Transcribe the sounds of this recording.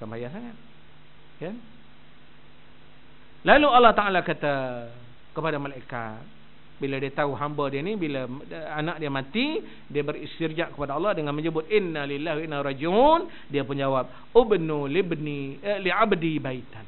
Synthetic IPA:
kambajansaŋat̪̚ | kan | laluɑlːɑht̪aʔalakat̪a | kəpadamalaika̰t̪̚ | biladiat̪auɦambədianibilaanaʔ̚diamãt̪i | diabəɾist̪ird͡ʒaʔkə̥padaɑlːɑhdəŋanməɲəbʊt̪̚ʔɪnːalilːaɦinːarɑd͡ʒiʊn | diapʊnd͡ʒawap̚ | ɪbnulibniliabdibait̪an

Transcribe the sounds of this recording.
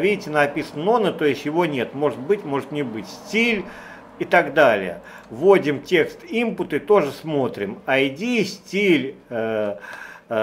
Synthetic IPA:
vʲidʲɪtʲɪnəɐpʲisənənonət̪o̞jɪsʲtʲjɪvo̞nʲet̪mo̞ʐɨt̪̚bɨtʲmo̞ʐɨt̪nʲɪbɨtʲsʲtʲilʲ | ɪt̪aɡd̪alʲɪ̰jə̰ | vo̞dʲɪmtʲe̞kst̪impʊt̪ɨt̪o̞ʐɨsmo̞t̪ɾʲɪmɐɪdʲisʲtʲilʲ

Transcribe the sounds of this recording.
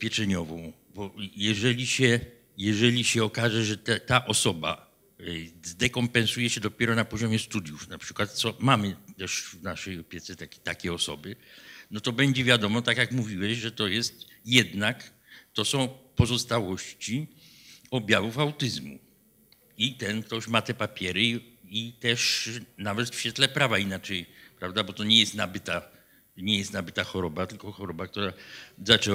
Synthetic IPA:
pʲjɛt͡ʂɛɲɔvɔ̃w̃ | bɔjɛʐɛlʲiɕɛ | jɛʐɛlʲiɕɛɔkaʐɛʐɛt̪ɛt̪aʔɔsɔba̰ | zd̪ɛkɔmpɛ̃ñsujɛɕɛd̪ɔpʲjɛɾɔnapɔʑɔmʲjɛst̪ud̪ʲjufnapʂɘ̥kwat̪̚t̪sɔmamɘt̪ɛʂvnaʂɛjɔpʲjɛt̪sɛt̪akʲt̪akʲɛɔsɔ̰bɘnɔt̪ɔbɛɲd͡ʑɛvʲjad̪ɔmɔt̪akjakmuvʲiwɛɕʐɛt̪ɔjɛst̪jɛd̪nak | t̪ɔsɔ̃w̃pɔzɔst̪awɔɕt͡ɕi | ɔbʲjavufawt̪ɘzmṵ | it̪ɛnkt̪ɔɕmat̪ɛpapʲjɛɾɘit̪ɛʂnavɛt̪fɕfʲɛt̪lɛpɾavainat͡ʂɛjpɾavd̪abɔt̪ɔɲɛjɛst̪nabɘt̪a | ɲɛjɛst̪nabɘt̪axɔɾɔbat̪ɘlkɔxɔɾɔbak̚t̪uɾazat͡ʂɛ

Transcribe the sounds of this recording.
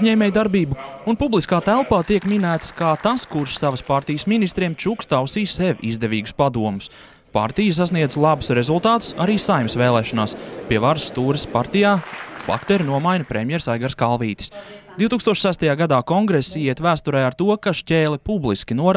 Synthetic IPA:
ɲɛːmʲɛjd̪aɾbiːbuunpublˠiskaːt̪ælˠpaːt̪iɛkminæːt̪skaːt̪askuɾʃsaʋəspaɾt̪ijəsminist̪ɾiɛmt͡ʃukst̪awsiːseʋʲḭzd̪eviːɡuspad̪uɔmʊs | pa̰ɾt̪ijəs̬as̬niɛd̪zlˠabu̥sɾezulˠt̪aːt̪ʊ̥sa̰ɾiːsajmsveːlˠɛːʃɔnaːspʲiɛvaɾsːt̪uːɾɪspaɾt̪ijaːflˠa̰kt̪eɾinuɔmajnɐpɾemjɛɾsajɡaɾskalˠviːt̪i̥sd̪̥iwt̪ukst̪uɔʃʲsæst̪ajaːɡad̪aːkɔŋɡɾesijiɛt̪væːst̪uɾɛjaɾt̪uɔkaʃcʲeːlipublˠiskʲinuɔɾ

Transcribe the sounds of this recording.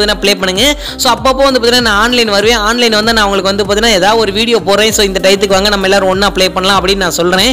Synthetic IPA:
t̪ɪnːaːpɪɭeːpɐɳːɯŋɡɐ | soːɐpːoːpːoːɐnd̪ɯpaːt̪ɪnaːnãːaːnlɐɪnʋɐɾɯʋẽːaːnlɐɪnʋɐnd̪ɯnãːʋɐŋɡɐɭɯkːɯʋɐnd̪ɯp̬aːt̪ɪnːaːeːðaːʋðɯɔɾɯʋiːɽɪjoːpoːɾẽːsoːɪnd̪ɐʈɐɪt̪̬ːɯkːɯʋaːŋɡɐnɐmːɐɛlːaːɾɔ̃ɔɳːaːpɪɭeːpɐɳːɐlãːɐpːɐɽɪnːnãːsɔlɾẽː

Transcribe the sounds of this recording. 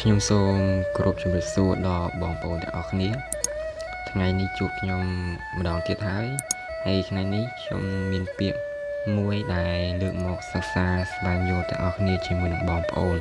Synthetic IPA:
kʰɲomsoːmkorʔup̚t͡ɕɑmriəp̚suəɗɑlɓɑːŋpəʔoːnt̪ɛ̰ŋʔɑhkʰniə | t̪ʰŋajniht͡ɕuəp̚kʰɲomː | ə̆ɗɑːŋt̪iət̪̚haəj | haəjt̪ʰŋajnihkʰɲo̰mːiənpiəʔ | muəjɗaɛlləːk̚mɔːk̚səsaːsɓaːŋjuəlt̪ɛ̰ŋʔɑhkʰniət͡ɕiəmuənːəŋɓɑːŋpə̆ʔoːn

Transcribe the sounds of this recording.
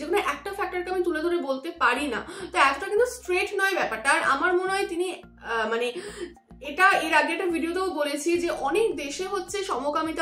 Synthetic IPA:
d͡ʑekʰunoʔɛk̚ʈafɛk̚ʈaɾkeamit̪uled̪ʱoɾebolt̪epaɾina̰t̪oɛt̪oʈakint̪usʈɾeʈnɔebɛpaɾʈaːɾa̰maɾmoneɦɔet̪ini | mane | eʈaeɾaɡeeʈavʱiɖiot̪eobolet͡ɕʰid͡ʑeʔɔnekd̪eʃeɦotːɕʰeʃɔmokamit̪a

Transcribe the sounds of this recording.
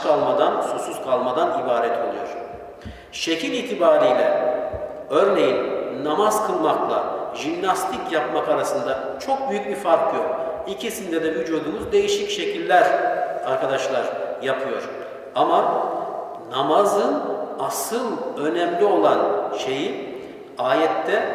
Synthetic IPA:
kalˠmad̪ansusuz̥kʰalˠmad̪anibaːɾɛt̪ʰo̞lˠujo̞ɾ̥ | ʃe̞cʰiniːt̪ʰibaːɾijlʲɛ | ø̞ɾne̞jinːamaz̥kʰɯlˠmaklˠa̰ʒimnast̪ʰicjapmakaɾasɯnd̪a | t͡ʃʰo̞k̚byjyc̚bifaɾkʰjok | icʰisind̪ɛd̪ɛvyd͡ʒod̪uːuzd̪e̞jiʃicʃe̞cʰilʲːæɾaɾkʰad̪aʃlˠaɾjapʰɯjo̞ɾ | ama | namazɯnasɯlˠø̞nɛmlʲio̞lˠanʃe̞ji | aːjɛt̪ʰːɛ

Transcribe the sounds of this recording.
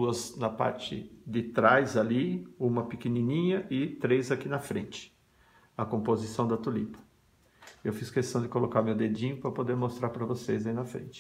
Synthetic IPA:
uɐznɐpa̰ɾt͡ʃɪ̰d̪ɪt̪ɾajzaliũmɐpɪkenĩnĩɲɐʔɪt̪ɾejzakinɐfɾḛ̃nt͡ʃɪ̥ | ɐkõpozisɐ̃w̃d̪ɐt̪ulit̪ɐ̥ | ewfiskest̪ɐ̃w̃d͡ʒ̪ɪkolokaɾmewd̪ed͡ʒĩɲʊpɾɐpod̪eɾmost̪ɾaɾpɾɐvosejzainɐfɾḛ̃nt͡ʃɪ̥

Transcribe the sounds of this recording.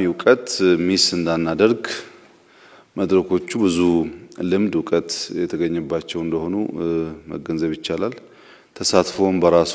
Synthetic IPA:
iwkʼət̪misɨnd̪anːad̪əɾɡ | məd̪ɾəkʰo̞t͡ʃːubɨzulɨmd̪ʊkʼət̪jɛt̪ʰəɡəɲːɛbːat͡ʃːɛwɨnd̪əho̞numə̰ɡənzəβjɪt͡ʃːalal | t̪ʰəsat̪fowmbəɾas

